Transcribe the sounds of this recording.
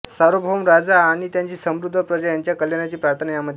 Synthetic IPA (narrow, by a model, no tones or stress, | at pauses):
səɾobʱomɾad͡zaːɽ̃it̪jaɲt͡ɕiːsəmɾud̪ʱːəpɾəd͡ʑajaɲt͡ɕjakəljanat͡ɕiːpɾaɾt̪ʰənəjaməd̪ʱ